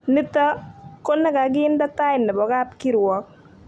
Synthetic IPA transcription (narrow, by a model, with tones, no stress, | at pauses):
nɪ˦t̪a˦ko˦nɛ˦ka˨ɡɪ˦nda˦t̪a˦ɪ˨nɛ˨bɔ˨ɡa˦pki˦ɾwɔ˨˦k̚